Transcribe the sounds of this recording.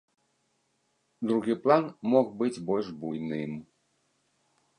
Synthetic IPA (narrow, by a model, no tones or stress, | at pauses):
d̪ɾuɣɨplˠanmɔɣbɨd͡zʲbɔlʲʐbujnɪm